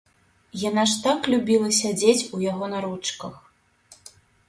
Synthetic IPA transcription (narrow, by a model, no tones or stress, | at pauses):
jan̪aʂt̪aklʲubʲilˠɐsʲad͡zʲet͡sʲujaɣɔnɐɾut͡ʂkɐx